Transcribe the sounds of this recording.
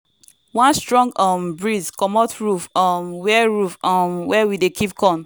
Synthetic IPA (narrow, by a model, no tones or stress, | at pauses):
wãnstɹɔ̃ŋɡɔmbɹizkɔmɔtɹufɔmwɛɹufɔmwɛwidekʰipkɔ̃n